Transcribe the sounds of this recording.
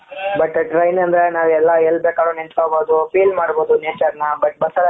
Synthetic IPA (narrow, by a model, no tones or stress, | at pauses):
bɐʈʈɾɐjnɐnd̪ɾenaːʋɛlːɐɛlːbeːkaːɽoːnint̪ʰoboːd̪upiːlmaːɽboːd̪uneːt͡ʃɐɾnɐbɐʈ̚bɐsɐl